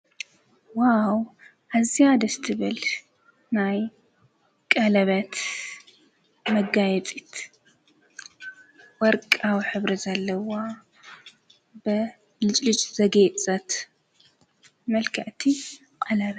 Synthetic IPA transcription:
waw | ʔaziad̪ɐst̪ʰɨβɨl | naj | kʼɐlɐβɐt̪ | mɐɡajɛt͡sʼit̪ | wɔɾkʼawħɨβɾɐzalːɐwa | bɨ | lɨt͡ʃʼlɨt͡ʃʼz̥ɐɡɐt͡sʼɐt̪ | mɐlkʰɐʕt̪ʰi | kʼɐlɐβɐ

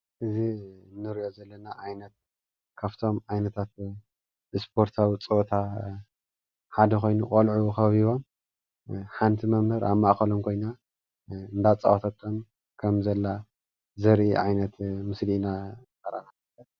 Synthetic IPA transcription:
ʔɨzinːɨɾʔo̞zɐlːɐnaʕajnɐt̪̚ | kʰaft̪ʰo̞mʕajnɐt̪ʰat̪ | ɨspʰo̞ɾt̪ʰawit͡sʼot̪ʰa | ħad̪ɐxo̞jnukʼɐlʕuxɐββiβo̞m | ħant̪ʰimɐmbɐɾʔa̰βmaʔkɐlomkʰo̞jna | ɨnd̪at͡sʼa̰wt̪ʰat̪ʰːom | kʰɐmzɐlːa | zɐɾʔiʕajnɐt̪mɨslinakɐɾa̰naɐlɐ

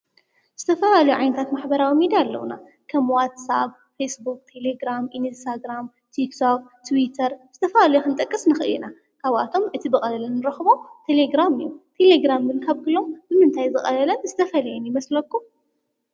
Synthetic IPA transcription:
z̥ɨt̪ʰɐfɐlalɐjuʕajnɐt̪ʰat̪maħbɐɾawimid̪ialːɐ̰wuna̰ | kʰɐmwat̪sa̰b | fesbuk̚ʼt̪ʰe̞leɡɾamʔinst̪ʰaɡɾam | t̪ʰiksob̚t̪ʰwit̪ʰɐɾz̥ɨt̪ʰɐfɐlalɐjuxɨnt̪ʼɐkʼːɨsnɨxɨɨ̰jina | kʰaβa̰t̪ʰo̞mʔɨt̪ʰibɨxʼɐlɐlɐnːɨɾɐxβo̞t̪ʰe̞leɡɾamɨ̰jːut̪ʰe̞leɡɾamɡɨnkʰaβɡɨlo̞mbɨmɨnt̪ʰajzɨxʼɐ̰lɐlɐnzɨt̪ʰɐfɐlɐjɛnjɪmɐslɐkːum

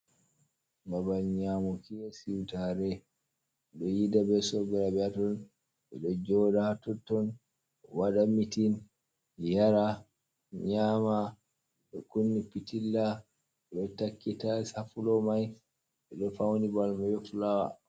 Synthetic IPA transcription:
babalɲamukijasiwtaɾɛ | ɛɗɔjidabɛsɔɡɛɾabɛatɔn | ɓɛɗɔd͡ʒɔdahatutːɔn | waɗamitin | jaɾa | ɲaːma | ɗɔkunːipitilːa | ɓɛtakːitasafulɔmaj | ɓɛɗɔfawnibalmajɔflawa̰

